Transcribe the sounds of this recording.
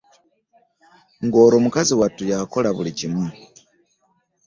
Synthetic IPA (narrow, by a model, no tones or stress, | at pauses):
ŋɡo̞ːɾo̞mukaziwatujako̞laβulicimu